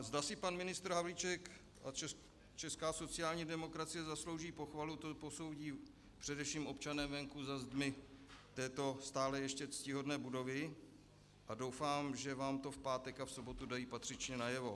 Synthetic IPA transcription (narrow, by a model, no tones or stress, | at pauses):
zdasɪpanmɪnɪst̪ɾ̩ɦavlit͡ʃɛk | ʔat͡ʃɛ | t͡ʃɛskaːso̞t͡sɪjaːlɲiːdɛmo̞kɾat͡sɪjɛzaslo̞wʒiːpo̞xvalut̪opo̞so̞wɟiː | pr̥ɛdɛfʃiːmo̞pt͡ʃanɛmvɛŋkuzazd̪mɪt̪ɛːt̪o̞st̪aːlɛjɛʃcɛt͡scɪɦo̞dnɛːbudo̞vɪ | ʔado̞wfaːmʒɛvaːmt̪o̞fpaːt̪ɛkafso̞bot̪udajiːpat̪r̥ɪt͡ʃɲɛnajɛvo̞